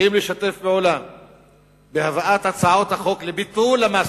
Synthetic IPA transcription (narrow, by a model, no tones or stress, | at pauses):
imleʃat̪e̞fbeʕo̞lam | behavaʔat̪hat͡saʕo̞t̪haχo̞klebit̪ulamas